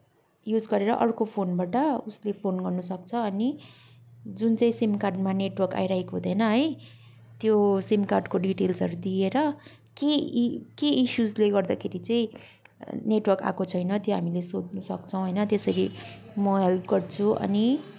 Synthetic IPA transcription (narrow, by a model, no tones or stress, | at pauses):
jud͡zɡʌɾeɾʌʔʌrkopʰonbaʈʌuslepʰonɡʌrnusʌk̚t͡sʰʌːni | d͡zunt͡saĩsimkarɖmaneʈwʌrka̰jɾaɦekoɦũd̪ʌnʌɦʌj | t̪josimkarɖkoɖiʈelsʌɾud̪ieɾʌ | kekeisjud͡zleɡʌrd̪akʰeɾit͡saĩ | neʈwʌrka̰kot͡sʰʌjnʌt̪joɦamilesod̪nusʌkt͡sʰʌ̃w̃ɦʌjnʌt̪esʌɾi | mʌɦelp̚ʰɡʌrt͡sʰuʔʌ̰ni